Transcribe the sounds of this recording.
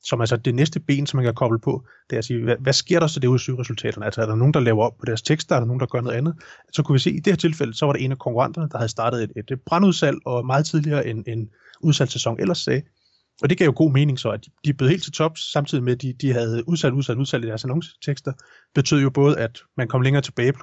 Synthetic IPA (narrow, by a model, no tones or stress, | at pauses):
sɒ̽mælsɒd̥e̝nesd̥əb̥e̝̰ːnsɒ̽mænkʰækʰɒ̽b̥ləpʰɒ̽ | d̥eæsiːʋæʋæsɡ̥e̝ɐ̰ɾ̥ɑ̈sɒd̥e̝uðˠɐsyːʁɛsult͡sʰɛ̰ːɾ̥ɐnəælsɒæɐɾ̥ɑ̈no̝ːn̩d̥ɑ̈lɛːʊɐɒ̽b̥̚pʰɒ̽ɾ̥æɐst͡sʰeɡ̥sd̥ɐæɐɾɑ̈no̝ːn̩d̥ɑɡ̥ɶɐno̽ðˠænð̩ˠ | sɒ̽kʰuʋis̬e̝̰ːid̥e̝he̝ɐt͡sʰe̝lfel̰əsɒ̽ʋɑ̈ɾee̝nækʰɒ̽ŋkʰuʁɑ̈n̰d̥ɐnəd̥ɑ̈hæðˠsd̥ɑ̈ːɾ̥ð̞̩ˠee̝d̥b̥ʁɑ̈nuð̞ˠsæl̰ɒ̽mɑ̈ːð̞̩ˠt͡sʰið̞ˠliɐːʔenen | uð̞ˠsæl̰sesɒ̽ŋʔelɐsːɛː | ʔɒ̽d̥e̝ɡ̥ɛ̰ʊ̰jo̝ɡ̥o̝̰ːme̝ːne̝ŋsɒ̽æd̥id̥ibleðˠhe̝̰l̥t͡sʰe̝t͡sʰɒ̽b̥sɑ̈mt͡sʰiðˠimed̥id̥iɦæð̞ˠuðˠsæl̰dufæluð̞ˠsfæl̰id̥æɐsænɒ̽ŋst͡sʰeɡ̥sd̥ɐ | b̥e̝t͡sʰø̰ðˠjo̝b̥ɔ̽ːð̞̩ˠæd̥mænkʰɒ̽mleŋɐːt͡sʰe̝b̥ɛːɪb̥l